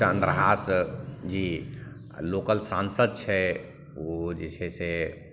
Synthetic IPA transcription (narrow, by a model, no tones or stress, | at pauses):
ə̃nd̪ɾəɦaːsd͡ʒi | loːkəlsãːnsəd̪̚t͡ʃʰɛ | od͡ʒɪsʰese